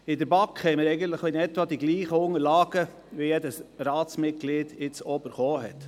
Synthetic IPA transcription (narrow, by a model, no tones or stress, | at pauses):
ɪdəɾbɑkhɛɪməɾɛɪɡənt̪ləχɪnɛtʋɑd̥̪iɡliːχəʊŋəɾlɑːɡ̥ə | ʋijɛdəsɾɑːt͡smɪt̚ɡ̥lɪːdɪt͡sɔbəɾχɔːɦɛ̰t̪